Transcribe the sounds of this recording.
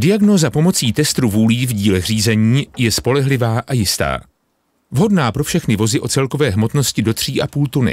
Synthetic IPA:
dɪaɡno̞zapo̞mo̞t͡siːt̪ɛst̪ɾuvuːliːvɟiːlɛɣr̝iːzɛɲiːjɛspo̞lɛɦlɪvaːʔajɪst̪a̰ː | vɦo̞dnaːpɾo̞fʃɛxnɪvo̞zɪʔo̞t͡sɛlko̞vɛːɦmo̞t̪no̞scɪdo̞t̪r̝̥iːʔapuːlt̪unɪ̰

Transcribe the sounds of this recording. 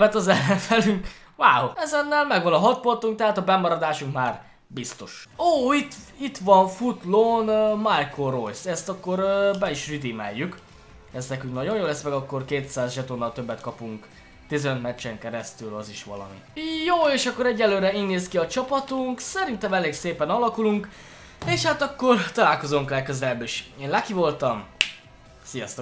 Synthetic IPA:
bɛt̪ɒzɛlːɛɱfɛlyŋk | vaːhoɛzɛnːɛlmɛɡʋɒnɒɦɒt̪̚po̞nt̪uŋk̚t̪ɛɦaːt̪ɒbɛmɒɾɒd̪aːʃuŋkmaːr | bist̪o̞ʃoːit̪it̪ʋɒɱfut̪lonmajkʰorojsɛst̪ɒkːo̞ɾbɛiʃrid̪imɛ̰jːyk | ɛst̪nɛkyŋknɒɟo̞njoːlɛsmɛɡɒkːo̞rkeːt̪saːzʒɛt̪oːnːɒlt̪øbːɛt̪kɒpuŋk | t̪izɛnøt̪mɛt͡ʃːɛŋkɛɾɛst̪ylɒziʃʋɒ̰lɒ̰mḭjoːeːʃɒkːo̞ɾɛɟːɛlːøːɾɛiːneːskiɒt͡ʃɒpɒt̪uŋksɛɾint̪ɛmɛleːɡseːpɛnɒlɒkuluŋk | eːʃhat̪ɒkːo̞rt̪ɒlaːlko̞zoŋklɛkøzɛlɛbːeʃeːnlakivo̞lt̪ɒm | sijɒst̪o

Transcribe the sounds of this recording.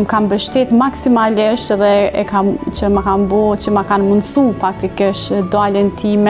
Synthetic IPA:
mkambəʃt̪ɛt̪maksimaliʃt̪ɛðɛɛkamt͡ʃəmakambɔt͡ʃəmakanmund̪sumfak̚t̪ikɪʃt̪d̪alɛnt̪ʰimɛ

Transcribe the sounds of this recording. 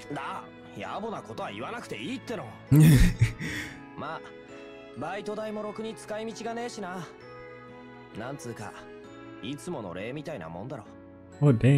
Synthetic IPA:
d̪a | ja̰bonakot̪o̞βaiβanakɯ̟̥t̪e̞iːt̪ːe̞no | maː | bait̪o̞d̪aimo̞ɾo̞kɯ̟ɲ̟it͡sɨ̥kaimʲit͡ɕiɡane̞ːɕina | nãnt͡sɨːka̰ | it͡sɨmo̞no̞̰ɾe̞ːmʲit̪aina̰mõ̞nd̪aɾo̞̰ | od̪e

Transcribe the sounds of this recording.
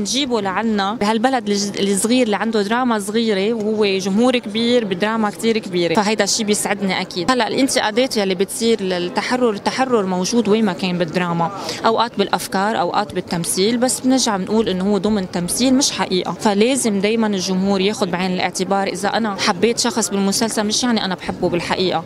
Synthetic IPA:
nʒiːbolaʕanːabɪɦalbalad̪lsˤːɣiːɾlːiʕand̪od̪ɾˤɑːmasˤɣiːɾewhʊwːeʒʊmɦuːɾkbiːɾbɪd̪ɾˤɑːmakt̪iːɾkbiːɾefaɦajd̪aʃːiːbjɪsʕɪd̪niʔakiːd̪halːaʔlʔɪnt̪ɪʔaːd̪eːt̪jalːibɪt̪sˤiːɾt̪ːaħarˤːʊɾt̪ːaħarˤːʊɾmowʒuːd̪weːmakeːnbɪd̪ɾˤɑːmaʔawʔaːt̪bɪlʔafkɑːɾˤʔa̰wʔa̰ːt̪bɪt̪ːamsiːlbasːbnɪɾʒaʕmɪnʔuːlʔɪnːohʊwːed̪ˤʊmnt̪amsiːlmɪʃħaʔiːʔafaleːzɪmd̪eːjmanɪlʒʊmɦuːɾjeːxʊd̪̚bʕeːnɪlʔɪ̰ʕt̪ɪbɑːɾˤʔɪzaʔanaħabːeːt̪ʃɑxsˤbɪlmʊsalsalmɪʃjaʕniʔanabħɪbːubɪlħaʔiːʔa

